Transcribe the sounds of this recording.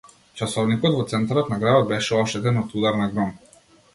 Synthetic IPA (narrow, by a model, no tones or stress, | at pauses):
t͡ʃasɔvnikɔt̪vɔt̪sɛnt̪aɾɔt̪naɡɾad̪ɔd̪̚bɛʃɛɔʃt̪ɛt̪ɛnɔt̪ud̪aɾnaɡɾɔm